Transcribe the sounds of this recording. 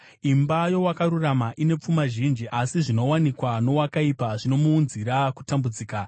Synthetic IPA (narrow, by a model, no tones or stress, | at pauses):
imbajo̞wakaɾuramaʔine̞p͡fumaʒind͡ʒiʔasiʐino̞wanikwano̞wakaipaʐino̞muːnziɾaku̥tambud͡ziːka